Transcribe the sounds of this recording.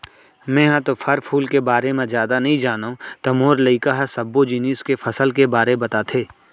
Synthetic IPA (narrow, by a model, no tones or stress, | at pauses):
mɛ̃ːɦãt̪ofʰɐɾpʰuːlkebaːɾemẽzjaːd̪anɐɦĩd͡ʒaːnõt̪ɐmoːɾləikaɦsɐbːod͡ʒiːniːskefʰɐsəlkebaːɾebɐt̪aːt̪ʰeː